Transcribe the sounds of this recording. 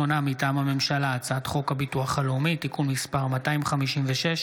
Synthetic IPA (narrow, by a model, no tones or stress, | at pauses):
onamitaːmame̞mʃalaːt͡saat̪χo̞kabituaχalumitikulmispaʁmataimχamiʃimveʃeʃ